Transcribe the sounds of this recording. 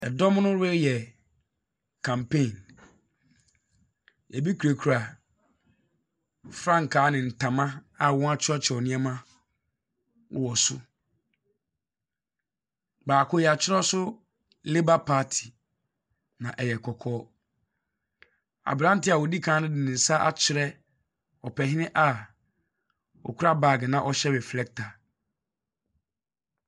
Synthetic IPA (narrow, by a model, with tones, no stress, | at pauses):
ɛ˨dɔ˦m˦nʊ̃˦ɾɛ˦jɛ˨ | kʰã˨mpʰẽ˦˨n | ɛ˨bi˦kʰu˨ɾe˨kʰu˨ɾa˨ | fɾã˦ŋ˨kʰaː˨˦nɪ̃˨n̩˨tʰã˨mã˦a˨wɔ̃˦a˦t͡ɕʰɪ˦ɔ˦t͡ɕʰɪ˨ɔ˨nɪ̃˦ɛ˦mã˦ | wɔ˨sʊ̰˦ | baː˨kʊ˦jɛ˨a˨t͡ɕʰɪ˦ɾɔ˦sʊ˦ | lɪ˦ba˦pʰaː˦tʰi˨ | nã˨ʔɛ˨jɛ˨kʰɔ˨kʰɔː˦ | a̰˨bɾã˦n̩˦tɪ˦a˨wo˨di˦kʰãː˨˦nʊ̃˦dɪ˨nɪ̃˨n̩˨sa˦ʔa̰˦t͡ɕʰɪ˨˦ɾɛ˦ | ɔ˨pʰɛ˨ɦɪ̃˦nɪ̃˦ʔa˨ | ɔ̰˨kʰu˦ɾa˦baː˨ɡɛ˨nã˦ʔɔ˨ɕɛ˦bɛ˨flɛ˦k̚tʰa˨